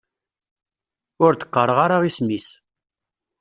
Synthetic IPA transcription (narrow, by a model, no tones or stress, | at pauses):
ʊɾt̪ə̥qːəɾˤəʁaɾaʁismis